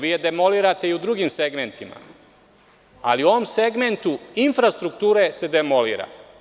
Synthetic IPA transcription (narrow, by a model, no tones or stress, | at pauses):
ʋiːjed̪emo̞liːɾat̪e̞iud̪ɾuɡiːmse̞ɡment̪ʰima̰ | aliuo̞ʋomse̞ɡme̞nt̪uinfɾast̪ɾukt̪uːɾe̞se̞d̪emo̞liːɾa̰